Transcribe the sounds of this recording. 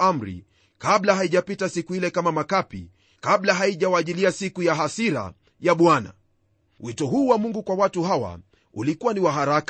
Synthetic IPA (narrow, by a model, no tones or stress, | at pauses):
am̩ɾḭ | kaɓlaɦaiʄapitasikuilɛkamamakapḭ | kaɓlaɦaiʄawaʄiliasikujaɦasiɾa̰ | jaɓwana̰ | witɔɦuːwamuŋɡukwawatuhawa̰ | ulikuwaniwaɦaɾak